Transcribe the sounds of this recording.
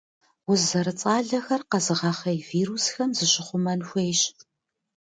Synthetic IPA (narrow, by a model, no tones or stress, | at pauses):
wʊzɐɾɨt͡sʼaːɮɐxɐrqɐzɨʁɐχɐjviːɾusxɐmzɨɕʼɪχʷʊmɐnxʷejɕʼ